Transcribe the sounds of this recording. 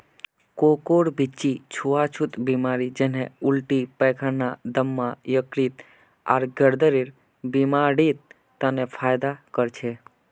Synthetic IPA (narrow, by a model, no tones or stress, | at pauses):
kokoɽbit͡ʃːit͡ʃʰuat͡ʃʰut̪bimaɾid͡ʒeneulʈipəkʰanad̪əmːãjəkɽit̪ | a̰ɾɡʱəɾd̪əɾiɾ | bimaɽit̪ː | anefʰajd̪akəɾt͡ʃʰe